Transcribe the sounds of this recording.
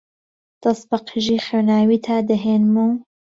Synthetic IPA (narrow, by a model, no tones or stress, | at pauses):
d̪̥ɐsbɐqʰɨʒiːxeːwnaːwiːt̪ʰaːd̪əɦeːnmu